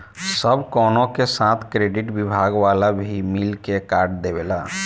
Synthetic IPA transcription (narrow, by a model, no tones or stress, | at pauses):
səbkɔːnõkesãːt̪ʰkɾeːɖɪʈbibʱaːɡʋaːlabʱimilkekaːɾʈ̚d̪ebeːlaː